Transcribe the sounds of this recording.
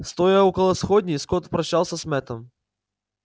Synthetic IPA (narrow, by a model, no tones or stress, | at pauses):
st̪ojaokəlˠəsxodʲnʲɪjskot̪pɾɐɕːalˠsʲəsmɛt̪əm